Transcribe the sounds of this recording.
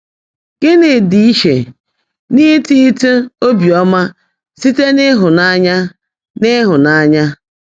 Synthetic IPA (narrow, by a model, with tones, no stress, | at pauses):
ɡ̥ɪ˦nɪ˨di˨i˦ʃḛ˨ | ni˦ti˦tu˦o˦bi˨ɔ˦ma˦ | si˦te˦nɪ˦ɦʊ˨na˦ɲa˦ | nɪ˦ɦʊ˨na˦ɲa˦